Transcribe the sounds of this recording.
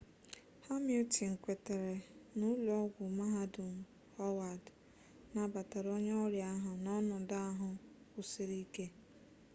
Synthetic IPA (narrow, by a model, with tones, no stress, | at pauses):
ha˦mi˦u˦ti˨ŋ̩˨kʷe˨te˨ɾe˨nu˦lɔ˦ɡʷʊ˨ma˦ɦa˦dʊ˨m̩˨ | hɔ˦wa˨d | na˨ba˨ta˨ɾɔ˦ɲ˦ɔ˦ɾja˦ɦʊ˨nɔ˦nɔ˨da˦a˦ɦʊ˨ | kʷʊ˦si˦ɾi˦ke˦